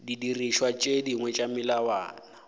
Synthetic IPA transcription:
didiriʃwat͡ʃʼediŋwɛt͡ʃʼamɪlawa̰ːna

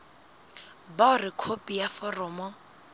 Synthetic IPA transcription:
baʊrɪkʰopʼijafɔrɔːmɔ

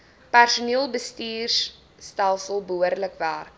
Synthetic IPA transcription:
pærsuniəlˠbəstiːrsː | tælˠsəlˠbəuərdləkvaːr

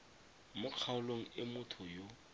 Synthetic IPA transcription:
mʊq͡χʰaʊloŋ̩ɪmʊtʰʊjo

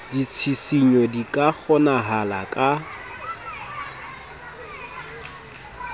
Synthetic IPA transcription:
dit͡sʰisiɲɔdikʼak͡xʰɔnaɦala̰kʼa

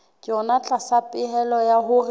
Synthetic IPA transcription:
kʼɪɔnat͡ɬʼasapʼɪhɛlɔjaɦʊr

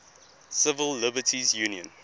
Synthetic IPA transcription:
sɪvəlːɪbətʰizjuːnjə̃n

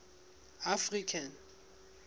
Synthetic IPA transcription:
afrikʰan

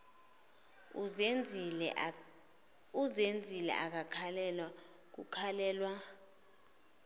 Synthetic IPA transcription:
uzend͡zʱilɛ̰ʔak̬akʰalɛlwa | k̬ukʰalɛːlwa

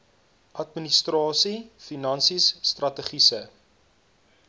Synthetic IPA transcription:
ʔɐtministrɑːsifinɐnsisːtrɐtəχisə

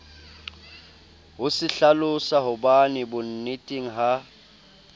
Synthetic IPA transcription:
ɦʊsɪɬalʊsaɦʊbanɪbʊn̩nɪtʼeŋ̩ɦa

